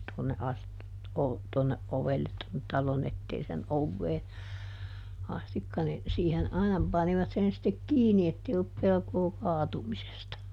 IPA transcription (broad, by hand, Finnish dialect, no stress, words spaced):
tŭonːe ɑsti o tuonːeʔ ʔoʋelːet tonːet tɑlon etːeisen oʋːeː ɑstikːɑ nin siːhen ɑinɑ pɑniʋɑt sen stek kiːni etːei olːup pelkoː kɑːtumisestɑ